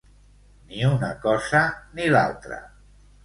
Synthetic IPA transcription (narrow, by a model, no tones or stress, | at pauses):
niunakɔzənila̰lˠt̪ɾə̰